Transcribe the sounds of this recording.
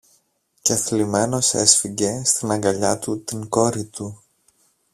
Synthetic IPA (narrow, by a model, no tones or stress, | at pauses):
ceɐθlime̞no̞sḛsfiɟe̞st̪inɐŋɡɐʎɐt̪ut̪iŋko̞ɾit̪u